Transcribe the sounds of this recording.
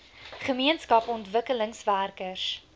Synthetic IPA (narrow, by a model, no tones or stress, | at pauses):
χəmiənskɐpɔntvəkələŋsværkərs